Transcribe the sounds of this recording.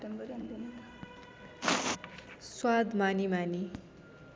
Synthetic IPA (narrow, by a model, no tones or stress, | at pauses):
embɾndn | swad̪manimani